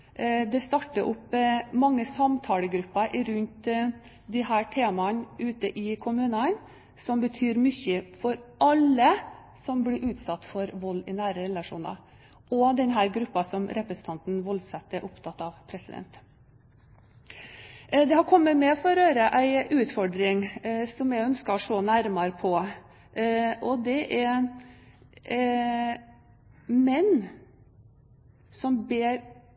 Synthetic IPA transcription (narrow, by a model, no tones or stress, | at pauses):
d̪ɛst̪ɑʈːəʔʊpmɑŋːəsɑmt̪ʰɑːləɡɾʉpːɑʔɪɾʉnt̪ | d̪ɪɦæːʈʰeːmɑnʉːt̪əʔɪkʰʊmʉːnɑn | sɔmbət̪ʰyːɾmʏçəfɔɾʔɑlːə | sɔmblɪʔʉːt̪sɑt̪ːfɔɾʋɔlːɪnæːɾəɾɛlɑʂṵːnɑ̰ | ʔɔd̪ɛnɦæːɾɡɾʉpːɑsɔmɾɛpɾəsən̩t̪ʰɑnt̪n̩ʋɔlsɑt̪ːɛɾʔʊpt̪ʰɑt̪ːɑʋpʰɾɛsɪd̪ɛ̰nt̪ | d̪ɛhɑɾkʰɔmːəmɛɔfɔɾɔɾøːɾəʔæɪʔʉːt̪fɔɖɾɪŋsɔmjɛœnskɑʂoːnæɾmɑɾpʰɔ | ʔɔd̪ɛʔæ | mɛnː | sɔmbeːɾ